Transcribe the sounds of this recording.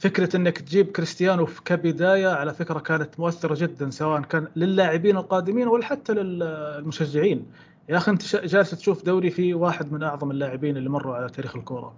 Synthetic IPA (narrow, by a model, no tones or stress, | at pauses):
fɪkɾaʔɪnːakt̪d͡ʒiːb̚kɾɪst̪ɪjaːnufkabɪd̪aːjaʕalafɪkɾakaːnat̪mʊʔaθːɪɾˤɑd͡ʒɪd̪ːansawaːʔankaːnlɪlːaːʕɪbiːnɪlqɑːd̪ɪmiːnwalːaħat̪ːalɪllmʊʃaʒːɪʕiːn | jaʔaxiʔɪnt̪ḁʃd͡ʒaːlɪst̪ʃuːfd̪awɾifiwaːħɪd̪mɪnʔɑʕðˤɑmɪlːaːʕɪbiːnɪlːimɑrˤːuʕalat̪ʰaːɾiːxɪlkʊːɾˤɑ̰